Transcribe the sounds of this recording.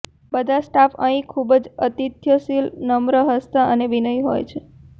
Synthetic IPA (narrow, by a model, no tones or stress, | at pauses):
bəd̪ʱasʈafə̃ĩkʰubəd͡ʒət̪it̪jəsilnəmɾəɦəst̪aʔəneʋinəjɦo̰jt͡ʃʰe